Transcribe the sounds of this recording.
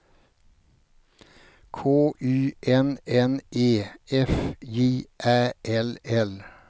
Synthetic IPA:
kʰoːʔʉːʔɛnɛnʔeːɛfjeːʔæːʔɛlɛl

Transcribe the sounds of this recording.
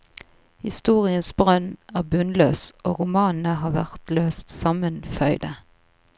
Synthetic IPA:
hɪ̰st̪uːʁɪənsbʁœnʔæːʁbʉnløːsʔoːʁʊmɑːnn̩əɦɑːʋæʁt̪løːst̪sɑmənfœʏd̪ə

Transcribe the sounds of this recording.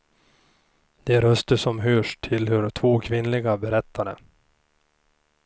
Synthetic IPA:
d̪ɛɾœst̪əʂɔmɦøːʂʈʰːɪlhɵɾt̪ʰvoːkʰvɪnlɪɡabɛɾɛt̪ʰːaɖə̰

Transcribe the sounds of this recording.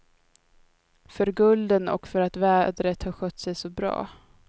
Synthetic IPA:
fœɾɡɵld̪ənɔ̰kfœɾat̪væːd̪ɾət̪hɑɧœt̪ːsɛjsɔbɾɑ̰ː

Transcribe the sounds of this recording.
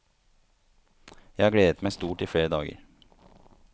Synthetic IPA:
jæhɑːɡɽeːd̪ət̪mæɪst̪uːʈiːfɽeːɾəd̪ɑːɡə̰ɾ

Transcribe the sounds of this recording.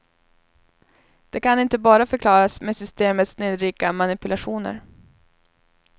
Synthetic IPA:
d̪̥ɛkʰanɪnt̪əbɑːɾafœɾkʰlɑːɾasmesʏst̪eːmət̪sneːd̪ɾiːkamanɪpɵlaɧuːnə̰ɾ

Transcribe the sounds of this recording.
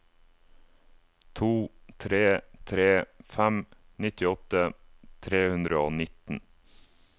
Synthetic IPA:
t̪ʰuːt̪ʰɾeːt̪ʰɾeːfæm | nɪt̪ɪɔt̪ət̪ʰɾeːhʉnd̪ɾəoːnɪt̪n̩

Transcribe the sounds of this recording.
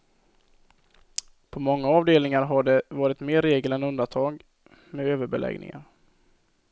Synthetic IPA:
pʰɔmɔŋːaɑːvd̪eːlnɪŋaɾɦaɖɛvɑːɾɪt̪meːɾːeːɡəlɛnɵnd̪ant̪ʰɑːɡ | mɛøːvəɾbɛlʔɛ̰ɡnɪ̰ŋa̰ɾ

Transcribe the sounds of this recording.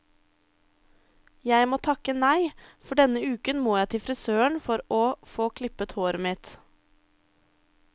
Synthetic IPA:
jæɪmoːt̪ʰɑkənæɪfɔɖɛnəʉːkənmoːjæɪt̪ʰɪfɾɪsøːəɳfɔɾoːfoːkʰlɪpət̪hoːɾəmɪt̪

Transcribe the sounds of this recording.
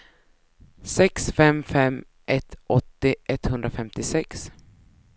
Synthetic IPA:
sɛksfɛmfɛm | ʔɛt̪ʔɔt̪ːɪʔɛt̪hɵnd̪ɾafɛmt̪ɪsɛks

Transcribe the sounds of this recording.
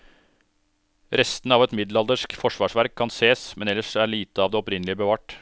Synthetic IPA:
ɾɛst̪nəɑːʋɛt̪mɪd̪lɑld̪əʂkfɔʂʋɑːʂʋæɾkʰːɑnseːsmɛnɛlːəʂæɭiːt̪əɑːʋd̪eːɔpɾɪnlɪəbəʋɑːʈ

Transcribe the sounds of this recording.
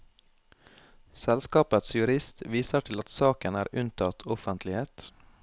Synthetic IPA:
sɛlskɑːpət̪sjʉɾɪst̪ʋiːsəʈʰɪlɑt̪sɑːkənæːɾʔʉnt̪ʰɑt̪ʰɔfənt̪lɪheːt̪

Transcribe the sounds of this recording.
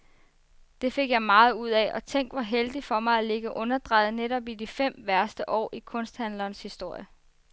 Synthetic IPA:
d̥e̝fe̝ɡ̥jɑ̈ɪmɑ̈ːð̞̩ˠuð̞̰ˠɛʔɒ̽t͡sʰeŋ̰ɡ̥ʋɒɦeld̥ifɒ̽mɑ̈ɪæle̝ɡ̥əʔɔ̽nɐd̥ʁɑ̈ɪð̩ˠneɾɒ̽b̥idifem̰ʋæɐsd̥əʔɒ̰ːʔikʰɔ̽n̰sd̥hænlɐːnshisd̥o̝ɐ̰jə

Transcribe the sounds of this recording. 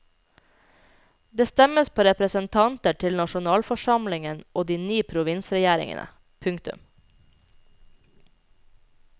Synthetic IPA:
d̪eːst̪ɛməspʰoːɾɛpɾəsənt̪ʰɑnt̪əʈʰɪlnɑʃʊnɑːlfɔʃɑmlɪŋənʔoːd̪iːnyːpʰɾʊʋɪnsɾɛjæːɾɪ̰ŋə̰nə̰ | pʰʉŋkt̪ʉ̰m

